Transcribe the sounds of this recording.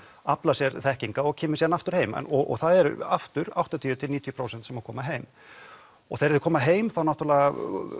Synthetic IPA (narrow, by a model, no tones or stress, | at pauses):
aplasjɛɾθɛhciŋkaɔɣcʰɛːmʏsjɛanaft̪ʏɾ̥heːjmɛ̰nɔɔ̰ɣθaðɛɾaft̪ʏɾa̰wht̪at̪ʰiːʏt̪ʰɪlniːt̪ʰjʏpɾoːwsɛnt̪sɛmakʰɔːmaɦeːjm | ɔ̰ɣθejɾɛðʏkʰɔːmaɦeːjmθawnawt̪ɾlɛɣa